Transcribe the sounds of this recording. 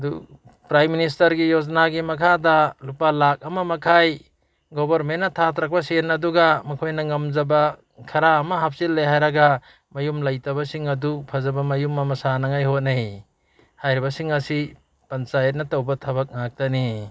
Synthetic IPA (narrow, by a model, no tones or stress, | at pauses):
dupɾajminis̬tɐɾɡijod͡ʒnaɡimɐkʰadalupalak̚ɐmɐmɐkʰaj | ɡobɐɾmennːɐtʰatɾak̚pɐsenɐduɡamɐkʰojnɐŋɐmd͡ʒɐba | kʰɐɾaːmɐɦap̚silːeɦajɾaɡa | mɐjumlɐjtɐβɐsiŋɐdupʰɐzɐbɐmɐjumɐmɐsanaŋajɦot̚nej | hajɾibɐsiŋɐsi | pɐnt͡ʃajet̚nɐtɐwbɐtʰɐβɐk̚ŋak̚tani